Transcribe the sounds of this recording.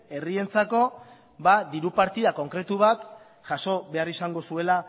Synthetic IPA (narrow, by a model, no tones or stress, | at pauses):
e̞rie̞nt͡sako̞ | βad̪iɾupaɾt̪iðako̞ŋkɾe̞t̪uβ̞at̪ | ʝaʃo̞βe̞arisaŋɡo̞sue̞la